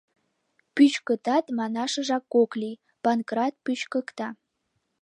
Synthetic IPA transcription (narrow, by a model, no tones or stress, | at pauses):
pyt͡ɕkə̆t̪ɑt̪mɑnɑʃɤ̆ʒɑkːoklʲi | pɑnkrɑt̪̚pyt͡ɕkɤ̆kt̪ɑ